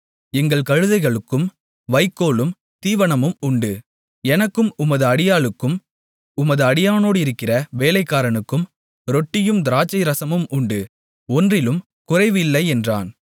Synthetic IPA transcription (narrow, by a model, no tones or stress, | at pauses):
ɛŋɡɐɭkɐɻɯðɐɪɣɐɭɯkːɯm | ʋɐɪkːoːlɯm | t̪iːʋɐɳɐmɯmʊɳɖɯ | ɛnɐkːɯmʊmɐðɯɐɽɪjaːlɯkːɯm | ʊmɐðɯɐɽɪjaːnoːɽɯɪɾɯkːɪrɐʋeːlɐɪkːaːɾɐnɯkːɯm | ɾɔʈːɪjɯmd̪ɪɾaːt͡ʃːɐɪɾɐsɐmɯmʊɳɖɯ | ɔndrɪlɯm | kʊrɐɪʋɪlːɐɪɛndra̰ːn